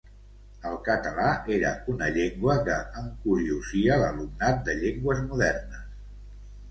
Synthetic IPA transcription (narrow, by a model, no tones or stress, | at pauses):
əlˠkət̪əlaʔeɾə̰unəʎeŋɡwəkəːŋkuɾiuziələlumnat̪̚d̪əʎeŋɡwəzmuðɛrnəs